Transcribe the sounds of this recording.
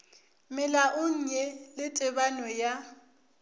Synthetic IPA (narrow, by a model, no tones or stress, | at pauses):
mɪlaʔʊɲ̩ɲɛlɪtʼɪbanwɛja